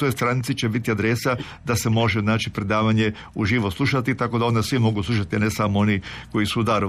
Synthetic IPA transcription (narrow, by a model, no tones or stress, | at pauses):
t̪ojst̪ɾanit̪sit͡ɕebit̪iad̪ɾesa | d̪ase̞mo̞ʒeznaːt͡ʃipɾe̞d̪aːʋaɲe | uʒiːʋoslˠuʃat̪it̪ako̞d̪ao̞nd̪asʋimo̞ɡuslˠuʃ̬at̪ianesamooniko̞isud̪aɾ